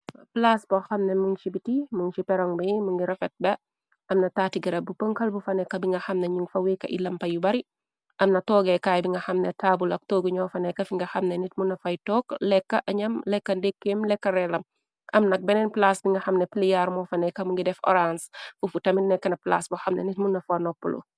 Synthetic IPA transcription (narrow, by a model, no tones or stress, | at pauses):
plasbɔxɐmnemuŋt͡ʃibitimuŋt͡ʃipɛɾɔŋbimuŋɡiɾɐfɛt̚bɐ | ʔɐmnɐtaːtiɡɐɾɐbupəŋkɐlbufɐnɛkɐbiŋɡɐxɐmnɐɲuŋfɐwikɐ̰ʔḭlɐmpɐjubɐɾi | ʔɐmnɐtɔːɡɛkaːjbiŋɡɐxɐmnetʰaːbulɐk̚tɔːɡuɲɔːfɐnɛkɐfiŋɡɐxɐmnenit̚munɐfɐjtɔːklɛkːɐʔɐɲɐmlɛkːɐndekːemlɛkːɐɾɛlɐm | ʔɐmnɐk̚bɛnɛnplasbiŋɡɐxɐmneplijaɾmɔːfɐnɛkɐmuŋɡidɛfɔ̰ɾansfufutɐmidnɛkːɐnɐpla̰ːsbuxɐmnḛnitmunːɐfanɔpːṵlo̰